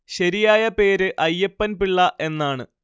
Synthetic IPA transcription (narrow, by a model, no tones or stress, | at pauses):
ɕɐɾijaːjɐpe̞ːɾɨʔɐjːɐpːɐnpiɭːɐʔe̞nːaːɳɨ